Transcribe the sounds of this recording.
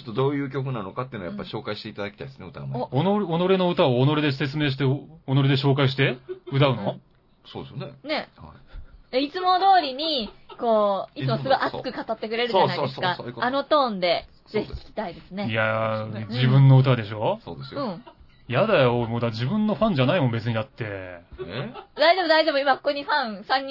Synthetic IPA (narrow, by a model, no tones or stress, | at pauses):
ot̪ːod̪o̞ːjɯ̟ːkʲo̞k̬ɯnano̞kat̪ːeɯ̟nojapːai̥ɕo̞ːkaiɕi̥t̪e̞it̪ad̪akʲt̪aid̪esneɯ̟t̪a̰m̰onoɾono̞ɾeno̞ɯ̟t̪aoːno̞ɾed̪e̞se̞t͡sɨmeːɕ̬it̪eono̞ɾed̪e̞ɕ̬o̞ːkaiɕ̬i̥t̪eɯ̟d̪aɯ̟no̞ | soːd̪esnene̞ha̰ait͡sɨmo̞d̪o̞ːɾʲiɲ̟iko̞ːiɨmosoɾeʔat͡sɨ̥kɯ̟kat̪at̪ːe̞kɯ̟ɾe̞ɾɯ̟anisɨkaːno̞t̪õ̞ːnd̪e̞ | ze̞çi̥kʲi̥kʲi̥t̪aid̪e̞sɨne̞ijad͡ʑibɯ̟̃nːo̞ɯ̟t̪̬ad̪e̞ɕo̞oːd̪eɯ̟̃ɴ | jad̪ajoimod̪ad͡ʑibɯ̟̃nːo̞ɸãɲ̟d͡ʑanaimo̞mbe̞t͡sɨɲ̟id̪at̪ːe̞ | d̪aizemod̪aizemoimakoko̞ɲ̟iɸãɰ̃sãɲ̟ːi